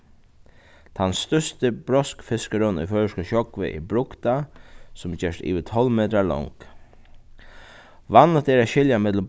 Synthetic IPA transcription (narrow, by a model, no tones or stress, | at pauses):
t̪ʰansːt̪ʏst̪əb̥ɾɔskfɪskəɾɔnɔ̰jfœəʃkəʃɔkʋə̰ʔḭbɾʊkt̪asʊmd͡ʒɛːʂt̪ḭːʋət̪ʰɔlmeːt̪ɾalɔ̰ŋk | ʋanət̪eːɾaʃɪljamɛt̪ləm